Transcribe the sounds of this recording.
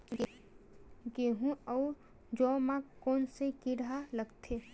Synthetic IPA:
ɡeɦũɔː | d͡ʒɔːmãkɔːnsekɪɽaləɡt̪ʰe

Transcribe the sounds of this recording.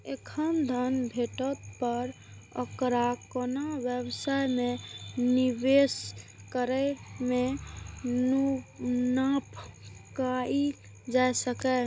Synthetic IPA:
ekʰənd̪ʱənbʱeʈət̪pəɾ | ə̰kɾakonabjəbsajmenibes | kəɾɛme | nunap | kai | d͡ʒaesəkɛ

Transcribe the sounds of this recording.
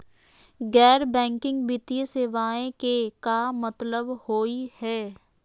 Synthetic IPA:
ɡɛːɾbɛ̃ːŋkɪ̃ŋɡbɪt̪ijəseːʋaːẽkekamət̪ləbhoːihɛː

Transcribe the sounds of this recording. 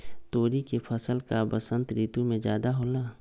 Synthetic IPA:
t̪oːɾikepʰəsəlkabəsə̃nt̪ɾiːt̪umẽd͡ʒjaːd̪aɦoːlaː

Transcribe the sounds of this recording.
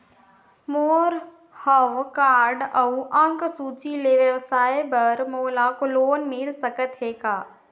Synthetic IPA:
moːɾ | həʋkaːɾɖəuʔə̃ŋksuːt͡ʃileʋjəʋsaːjbəɾmoːlakoloːnmɪlsəkət̪ɦeːɡaː

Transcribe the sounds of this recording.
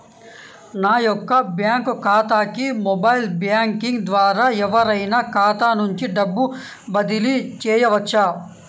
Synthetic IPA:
naːjɔkːɐbjaːŋkkʰaːt̪aːkimɔbɐjlbjaːŋkiŋɡd̪ʋaːɾaːɛʋɐɾɐjnakʰaːt̪aːnuɲt͡ʃiɖɐbːu | bɐd̪ilit͡ʃɛːjɐʋɐt͡ʃːaː

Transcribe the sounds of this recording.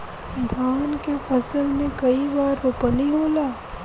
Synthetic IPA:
d̪ʱaːnkefɐsəlmẽkɐibaːɾopəniɦoːlaː

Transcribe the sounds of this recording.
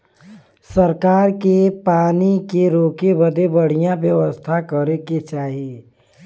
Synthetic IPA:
səɾkaːɾkepaːnikeɾoːkebəd̪ebəɽ̤ijãbjəʋəst̪ʰakəɾeket͡ʃaːɦie

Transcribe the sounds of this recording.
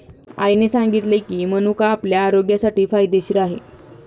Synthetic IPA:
a̰jnesaŋɡit̪lekiːməñukaːpljaːɾoɡjasaʈiːfajd̪eɕiɾaɦḛ

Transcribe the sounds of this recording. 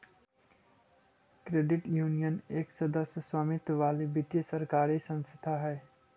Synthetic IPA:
kɾeːɖɪʈjuːnijəneːksɐd̪əsjəswaːmɪt̪ʋaːlibɪt̪jəsɐɾkaːɾisə̃nst̪ʰaɦɛː

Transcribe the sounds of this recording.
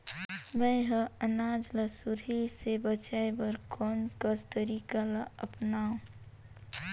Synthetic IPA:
mə̃ɦə̃ənaːd͡ʒləsuɾisebət͡ʃaebəɾkʰɔːnkəst̪əɾiːkalaəpnaːũ

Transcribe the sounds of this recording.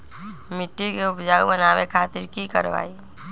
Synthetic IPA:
mɪʈːikeʊpd͡ʒaːubənaːwekʰaːt̪ɪɾkikə̰ɾʋa̰ːi

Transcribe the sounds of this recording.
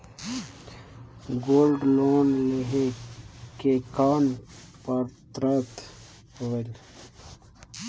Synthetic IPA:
ɡoːlɖloːnleɦekekaːnpəɾt̪ɾat̪ | hoːel

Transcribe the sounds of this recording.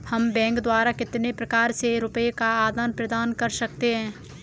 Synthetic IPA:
hɐmbɛ̃ːŋkd̪waːɾakɪt̪nepɾɐkaːɾseɾʊpəekaaːd̪aːnpɾɐd̪aːnkɐɾsɐk̚t̪eɦɛ̃ː

